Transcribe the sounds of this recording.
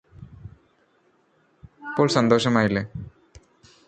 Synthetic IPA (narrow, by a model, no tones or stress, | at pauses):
pːoːɭsɐnd̪oːʂɐmaːjilːe